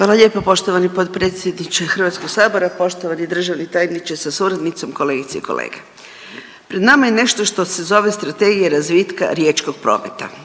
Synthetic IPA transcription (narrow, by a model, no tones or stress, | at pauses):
ʋaːlˠaʎʲe̞ːpopo̞ʃt̪oʋanipot̪pɾeːt̪sʲjed̪nit͡ʃexr̩ʋat̪skoɡsaːbo̞ɾapo̞ʃt̪oʋanid̪r̩ʒaʋnit̪ajnit͡ʃesasuɾad̪nit̪so̞mko̞le̞ːɡit̪seiko̞̰lḛːɡe | pɾed̪namajene̞ʃt̪o̞ʃt̪o̞se̞zo̞ʋe̞st̪ɾat̪e̞ɡijeɾazʋiːt̪ka̰ɾje̞t͡ʃko̞ɡ̚pɾo̞̰ːmet̪a̰